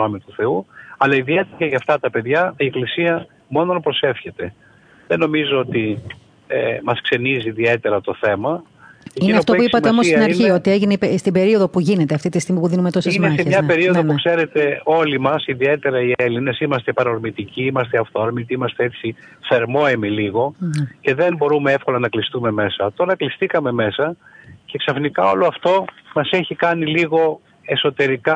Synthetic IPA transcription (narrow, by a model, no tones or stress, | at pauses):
no̞mit̪uθe̞uɐlɐiðiet̪eɐceʝɐft̪ɐt̪ɐpe̞ðʝɐie̞klisiɐ | mo̞no̞npɾo̞se̞fçe̞t̪e̞ | ðe̞no̞mizoot̪i | emɐskse̞niziːðie̞t̪e̞ɾɐt̪o̞θe̞mɐ | eiinɐft̪o̞puipɐt̪eomossnɐɾçiot̪ieʝineipest̪ibe̞ɾio̞ðopuʝine̞t̪eɐft̪it̪ist̪iɣmipuðinumet̪o̞sezmɐeesɲɐpe̞ɾio̞ðonpukse̞ɾe̞t̪e̞o̞limɐsiðie̞t̪e̞ɾɐie̞line̞simɐst̪epɐɾoɾmit̪iciimɐst̪eɐft̪oɾmit̪iimɐst̪eet͡si | θe̞ɾmo̞emiliɣo̞ce̞ðe̞mbo̞ɾume̞efko̞lɐnɐklist̪ume̞me̞sɐt̪olɾɐklist̪ikɐme̞me̞sɐce̞ksɐfnikɐo̞̰lo̞ɐft̪o̞mɐse̞çikɐniliɣo̞ | e̞so̞t̪e̞ɾikɐ